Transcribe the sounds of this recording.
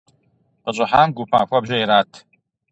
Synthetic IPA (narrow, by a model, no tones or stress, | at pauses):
qəɕʼʊħaːmɡupʰa̰ːxʷɐbʒɐjɾaːt̪ʰ